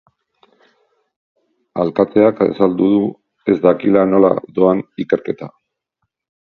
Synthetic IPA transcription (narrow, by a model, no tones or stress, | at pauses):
alkat͡s̪e̞akḛsald̪uðu | e̞zd̪akilano̞la̰d̪o̞anike̞ɾke̞t̪a